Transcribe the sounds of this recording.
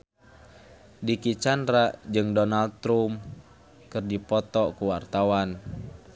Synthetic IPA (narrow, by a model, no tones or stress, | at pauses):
dikit͡ʃandɾaʔd͡ʒɨŋdɔnald̚t̪ɾum | kɨrdipɔt̪ɔkuwart̪awan